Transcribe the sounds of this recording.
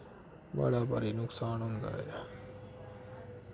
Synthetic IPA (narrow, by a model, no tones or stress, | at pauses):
ba̰ɽaːpaɾiːnʊksaːnɦʊ̃nd̪a̰ːja